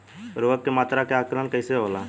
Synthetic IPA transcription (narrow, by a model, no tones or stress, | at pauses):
ɾoːkːemaːt̪ɾaːkeaːklaːnkəɪseɦoːlaː